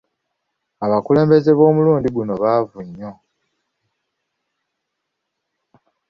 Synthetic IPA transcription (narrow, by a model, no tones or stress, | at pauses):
aβakule̞ːmbe̞ze̞βo̞ːmuluːndiɡuno̞βavuɲːo̞